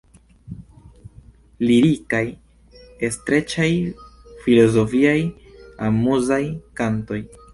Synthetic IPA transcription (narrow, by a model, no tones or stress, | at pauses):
liɾikaj | estɾe̞t͡ʃajfilo̞zo̞fiaj | amuzajkanto̞j